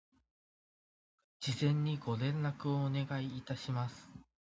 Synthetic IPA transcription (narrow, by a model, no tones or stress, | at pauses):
d͡ʑizẽ̞ɲ̟ːiɡo̞ɾẽ̞nːakɯ̟oːne̞ɡaiːt̪aɕimasɨ̥